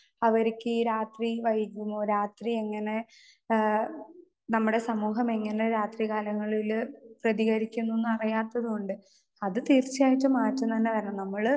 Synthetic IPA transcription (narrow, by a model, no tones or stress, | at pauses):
ɐʋɐɾikʲːɨːɾaːt̪riʋɐjikʲːumːoːɾaːt̪rie̞ŋːɐne̞ | nɐmːuɽe̞sɐmuːɦɐme̞ŋːɐneɾaːt̪riɣaːlɐŋːɐɭilprɐðiɣɐɾikʲːunːunːɐrijaːt̪ːɐðuoɳɖɨ | ɐðɨt̪iːrt͡ɕːijaːjitːɨmaːtːunt̪ɐnːeʋɐɾɐnɐmːɐɭ